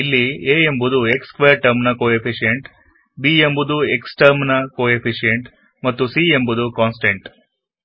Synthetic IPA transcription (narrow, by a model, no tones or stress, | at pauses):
ilːieːembud̪ue̞kskʋeːɾʈɐɾmnɐkoːepʰiʂijeɳʈ | biembud̪ue̞ksʈɐɾmnɐkoːepʰiʂijeɳʈ | mɐt̪ːusiembud̪ukaːnsʈeɳʈ